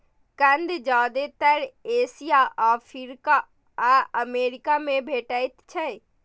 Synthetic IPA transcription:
kə̃nd̪d͡ʒaːd̪et̪əɾeːsijaʔapʰiɾka | aəmeːɾɪkamẽbʱeːʈəit̪t͡ʃʰɛj

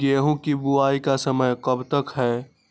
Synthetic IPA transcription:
ɡeːɦũkibuaːikasəməjkəbt̪əkɦɛː

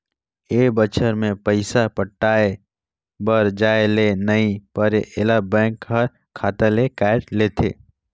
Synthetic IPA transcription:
eːbət͡ʃʰəɾmẽpəɪsapəʈːaːe | bəɾd͡ʒaːelenɐɦĩpəɾeʔɪlabɛ̃ːŋkɦɐɾ | kʰːaːt̪elekaːɪʈleːt̪ʰḛː

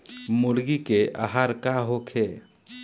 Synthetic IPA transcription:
mʊɽɡikeʔa̰ɦaːɾkaɦokʰe

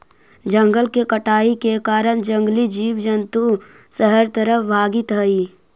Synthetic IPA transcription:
d͡ʒə̃ŋɡəlkekəʈaːikekaːɾəɽ̃d͡ʒə̃ŋɡlid͡ʒiːʋd͡ʒənt̪u | səɦəɾt̪əɾəbʱaːɡit̪ɦəiː

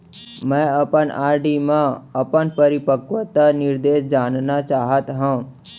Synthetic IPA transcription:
mɛ̃ːɐpənaːɾɖimãɐpənpəɾɪpəkʋət̪ənɪɾd̪eːʃd͡ʒaːnnat͡ʃaːɦət̪ɦã

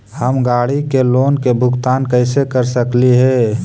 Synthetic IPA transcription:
həmɡaːɽikeloːnkebʱʊɡt̪aːnkəɪsekəɾsəkliɦɛː

